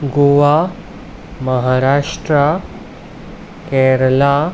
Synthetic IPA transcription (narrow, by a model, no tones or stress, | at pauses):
ɡoʋa | məɦaːɾaːʂʈɾa | kɛɾəla